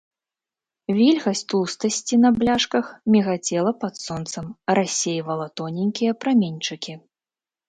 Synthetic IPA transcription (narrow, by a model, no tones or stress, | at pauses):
vʲilʲɣɐsʲt̪ust̪ɐsʲt͡sʲinɐblʲaʂkɐxmʲiɣat͡sʲɛlˠɐpat̪sɔnt̪sɐmrasʲːejvɐlˠɐt̪ɔnʲinʲkʲijɐpɾamʲenʲt͡ʂɨkʲi